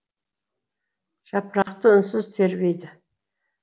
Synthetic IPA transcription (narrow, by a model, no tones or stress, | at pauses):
ʒ̥ɑpɾɑqt̪əʊnsɪzt̪ʰe̞ɾbejd̪ɪ